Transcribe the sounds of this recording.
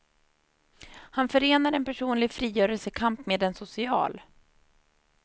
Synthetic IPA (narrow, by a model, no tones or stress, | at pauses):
hanfœɾeːnaɾɛnpæʂuːnlɪɡfɾiːjœːɾɛlsəkʰampmeːd̪ɛnsʊsɪɑ̰ːl